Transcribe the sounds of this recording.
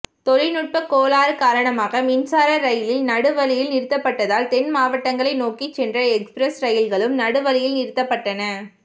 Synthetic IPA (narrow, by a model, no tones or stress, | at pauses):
t̪ɔɻɪnʊʈ̚pɐkoːlaːɾɯkaːɾɐɳɐmaːɣɐmɪnsaːɾɐɾɐjɪlɪlnɐɽɯʋɐlɪjɪlnɪɾɯt̪ːɐpːɐʈːɐðaːlt̪ɛnmaːʋɐʈːɐŋɡɐɭɐɪnoːkit͡ʃːɛndrɐɛkspɾɐsɾɐjɪlɣɐɭɯmnɐɽɯʋɐlɪjɪlnɪɾɯt̪ːɐpːɐʈːɐnɐ